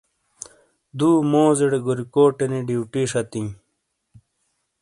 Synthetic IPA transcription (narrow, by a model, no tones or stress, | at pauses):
d̪uːmoːziɽeɡuɾikoːʈeniɖiwʈiːʂɐt̪ĩ